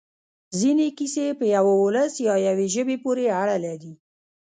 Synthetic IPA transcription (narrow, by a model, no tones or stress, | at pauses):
zinekisepəjawaoləsjɑjaweʒəbepoɾeaɽalaɾi